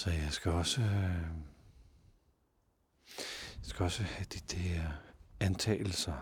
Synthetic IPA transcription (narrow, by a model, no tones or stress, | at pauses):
sɒ̽jɑ̈ɪsɡ̥æɒ̽sə | jɑsɡ̥æɒ̽səhæd̥id̥eeɐænt͡sʰɛ̰ːl̩sɐ